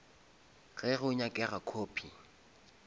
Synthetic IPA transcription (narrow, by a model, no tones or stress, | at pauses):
ɣɛɣʊɲakʼɛɣakʰoːpʰi